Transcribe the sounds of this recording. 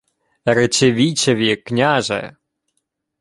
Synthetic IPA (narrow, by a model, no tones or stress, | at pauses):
ɾet͡ʃeʋʲit͡ʃɐʋʲiknʲaʒɛ̰